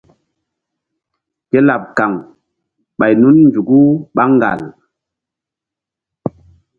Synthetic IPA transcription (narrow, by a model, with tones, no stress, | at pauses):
ke˦la˨p̚ka˨ŋ | ɓa˨jnu˦nnd͡ʒu˨ɡu˦ɓa˦ŋɡa̰˨l